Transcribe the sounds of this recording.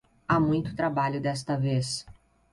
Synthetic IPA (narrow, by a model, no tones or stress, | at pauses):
amũj̃t̪ʊ̥t̪ɾabaʎʊd̪ɛst̪ɐves